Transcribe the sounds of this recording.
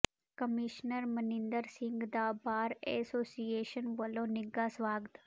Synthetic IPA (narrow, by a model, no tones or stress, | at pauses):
kəmiʃnəɾmənɪ̃nd̪əɾsɪ̃ŋɡd̪aːbaːɾḛsoːsijeːʃənʋɐlonɪɡasʋaːɡət̪